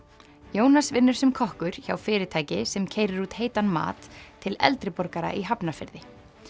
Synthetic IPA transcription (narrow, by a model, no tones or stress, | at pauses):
joːwnasvɪnːʏɾ̥sɛmkʰɔhkʏɾ̥çawfɪːɾɪt̪ʰaːjcɪsɛmcʰeːjɾɪɾuːt̪heːjt̪anma̰ːt̪ʰːɪlɛ̰lt̪ɾɪpɔɾkaɾa̰ʔiɦapnafɪɾðɪ